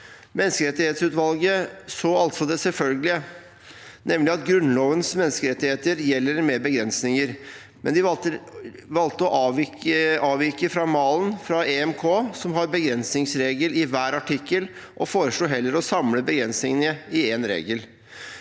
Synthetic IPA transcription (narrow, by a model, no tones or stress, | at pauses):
mɛnːskəɾɛt̪ɪheːt̪sʉːt̪ʋɑlɡəsoːɑlt̪sɔd̪ɛsɛlfœlɡəlɪə | nɛmlɪɑt̪ɡɾʉnːloːʋənsmɛnːskəɾɛt̪ɪheːt̪əɾjɛlːəɾmɛbəɡɾɛnsnɪŋəɾ | mɛnd̪ɪəʋɑlt̪əɔʔɑːʋɑːʋikəfɾɑmɑːlənfɾɑɛɛmkʰoːsɔmɦɑɾbəɡɾɛnsnɪŋsɾeːɡəlɪʋæːɾɑʈɪkːəl | ʔɔfoːɾəʂɭuːɦɛlːəɾɔsɑmləbəɡɾɛnsnɪŋənəɪeːnɾḛːɡəl